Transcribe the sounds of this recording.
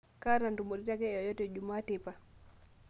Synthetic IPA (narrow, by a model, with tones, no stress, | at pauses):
ka˦ɾa˨ndumo˨ɾi˦ta˦kɛ˦ɔjɔ˦tɛd͡ʒuma˦tɛpa˨